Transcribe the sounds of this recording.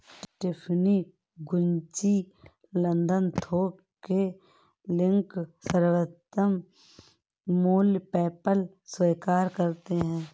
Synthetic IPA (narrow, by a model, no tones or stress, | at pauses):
ʈɪpʰni | ɡʊ̃ɲt͡ʃi | lə̃nd̪ənt̪ʰoː | ke | lɪ̃ŋksəɾwət̪ːəm | muːlpɛːpəl | sweːkaːɾkəɾt̪eɦɛ̃ː